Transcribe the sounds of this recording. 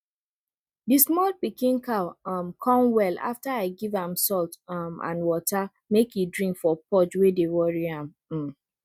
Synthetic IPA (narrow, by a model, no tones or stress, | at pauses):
dismɔlpikĩnkaʊmkʰɔ̃mwɛla̰ftaaɪɡivãmsɔltmã̰nwɔta | mekidɹĩŋkfɔpɔd͡ʒwedewɔɹiãm̩